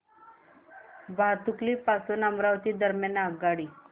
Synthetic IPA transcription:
bʱat̪ukliːpasunambɾaʋt̪iːd̪əɾmjanaɡaɽiː

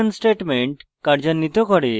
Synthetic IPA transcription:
ənsʈeʈmeɳʈ | kaɽd͡ʑanːit̪ɔkaɽe

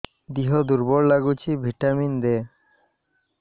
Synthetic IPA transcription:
d̪iɦod̪uɾbɔɾlaɡut͡ɕʰibʱiʈamind̪e

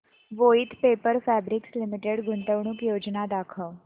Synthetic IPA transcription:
ʋoːɪt̪ʰpeːpəɾpʰɛːbɾɪkslɪmɪʈeɖɡʊnt̪əʋɳ̃ʊkjoːd͡ʒnaːd̪aːkʰəː

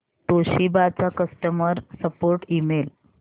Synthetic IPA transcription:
t̪oɕibat͡sakəsʈəməɾsəpoɾʈimel

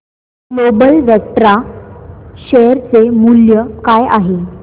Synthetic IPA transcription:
lobəlʋjət̪ɾa | ɕejəɾt͡semuljəkaja̰ɦe

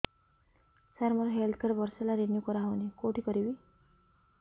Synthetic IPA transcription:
saɾməɾɦeld̪̚kʰeɾbəɾselaɾenjukɔɾaɦawnekoʈiːkəɾiʋi

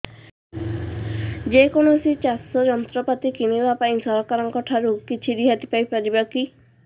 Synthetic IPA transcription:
d͡ʒekonosit͡ʃasɔd͡ʒɔnt̪ɾɔpat̪ikinibapaĩsɔɾɔkaɾɔŋkɔʈʰaɾukit͡ʃʰiɾiɦat̪i̥pajpaɾibaki

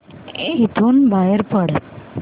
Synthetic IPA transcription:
et̪ʰonbajəɾpəɽ

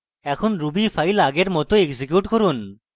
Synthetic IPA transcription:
ɛkʰonɾubipʰajlaɡeɾmɔt̪oeɡsikjuʈkoɾun

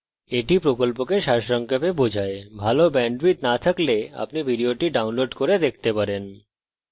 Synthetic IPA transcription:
eʈipɾokolpokeʃaʃɔŋkepebod͡ʑʱaebʱalobɛɳɖbit̪nat̪ʰaklea̰pnibʱiɖioʈiɖawnloɖkoɾed̪ek̚ʰt̪epaɾen

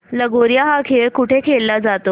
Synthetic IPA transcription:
ləɡoɾjaɦakʰeɭkuʈʰekʰelːad͡zat̪o

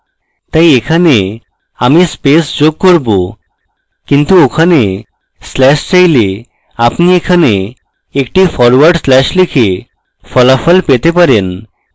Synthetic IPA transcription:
t̪ajekʰane | amispesd͡ʑoɡ̚koɾbo | kint̪uokʰane | slɛʃt͡ɕajle | apniekʰane | ek̚ʈifɔɾwaɾɖslɛʃlikʰe | fɔlafɔlpet̪epaɾen

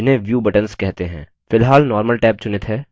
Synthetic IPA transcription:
ɪnɦẽʋjuːbɐʈənskɛɦt̪eɦɛ̰̃ː | fɪlɦaːlnɔːɾməlʈɛːp̚t͡ʃʊnɪt̪ɦɛː

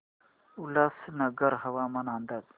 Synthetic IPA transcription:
ulasnəɡəɾɦɐʋamɐnand̪aːz

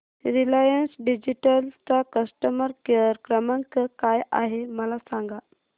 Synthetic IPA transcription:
ɾilajənsɖid͡ʑiʈəlt͡sakəsʈəməɾkəɾkɾəmaŋkəkaja̰ɦeməlasãŋɡa

